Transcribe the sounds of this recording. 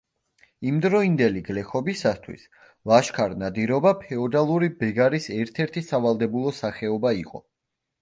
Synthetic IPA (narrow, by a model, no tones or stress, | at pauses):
imd̪ɾɔind̪ɛliɡlɛχɔbisat̪ʰwḭs | lˠaʃkʰaɾnad̪iɾɔbapʰɛɔd̪alˠuɾibɛɡaɾisɛɾt̪ʰɛɾt̪ʰisavalˠd̪ɛbulˠɔsaχɛɔbaiqʼɔ̰